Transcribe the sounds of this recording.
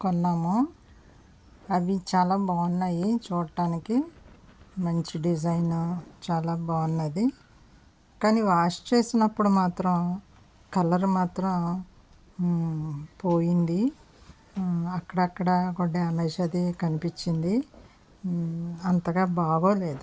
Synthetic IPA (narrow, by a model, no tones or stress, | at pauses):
kɔnːaːmu | ɐd̪it͡ʃaːlaːbaːʋɐnːɐjit͡ʃuːɽɐʈaːniki | mɐɲt͡ʃiɖid͡ʒ̬ɐjnut͡ʃaːlaːbaːɐnːɐd̪i | kaːniʋaːʂt͡ʃe̞ːsinɐpːuɽumaːt̪ɾɐm | kɐlɐɾmaːt̪ɾɐm | poːjind̪i | ɐkːɐɽɐɐkːɐɽɐkoɖːeɐmeːʃɐd̪ikɐnipit͡ʃːind̪i | ɐnt̪ɐɡaːbaːɡoːle̞ːd̪u